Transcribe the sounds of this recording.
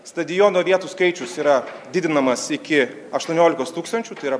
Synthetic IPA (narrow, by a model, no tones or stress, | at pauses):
st̪ɐd̪ʲɪjoːnoːʋʲiɛt̪uːskɐɪt͡ʃʲʊsiːɾɐd̪ʲɪd̪ʲɪnɐmɐsɪkʲɪ | ɐʃt̪uɔnʲoːlʲɪkoːst̪uːkst̪ɐnʲt͡ʃʲuːt̪ɐɪiɾɐ